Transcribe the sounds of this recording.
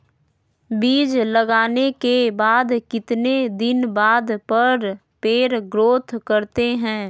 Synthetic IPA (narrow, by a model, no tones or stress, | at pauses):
biːd͡ʒləɡaːnekebaːd̪kɪt̪ned̪ɪnbaːd̪pəɾ | peːɾɡɾoːt̪ʰkəɾt̪eɦɛ̃ː